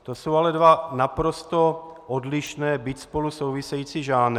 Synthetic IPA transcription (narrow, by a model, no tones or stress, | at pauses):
t̪o̞so̞walɛdvanapɾo̞st̪oʔodlɪʃnɛːbit̪spo̞luso̞wvɪsɛjiːt͡siːʒaːnɛ